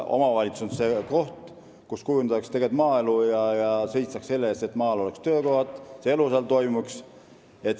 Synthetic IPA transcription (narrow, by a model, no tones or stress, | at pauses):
o̞̰mɑvɑlʲit̪susonseko̞ht̪ | kuskujunɑkst̪e̞ɡet̪mɑːe̞lujɑjɑse̞jt̪sɑkse̞lːeeːst̪e̞t̪mɑːelo̞le̞kst̪ø̞ːko̞hɑt̪ˑseeluselt̪o̞jmuks | e̞t̪ː